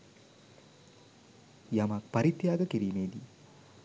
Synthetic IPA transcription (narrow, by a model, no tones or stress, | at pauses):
jɐmak̚pɐɾit̪jaːɡɐkiɾiːmeːd̪i